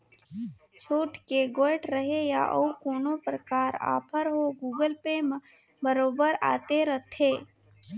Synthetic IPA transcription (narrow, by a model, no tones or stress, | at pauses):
t͡ʃʰuːʈkeɡoːɪʈɾəɦeja̰ʔɐ̰ukoːnopɾəkaːɾa̰ːpʰəɾɦoɡuːɡəlpem | bəɾoːbəɾa̰ːt̪eɾət̪ʰːeː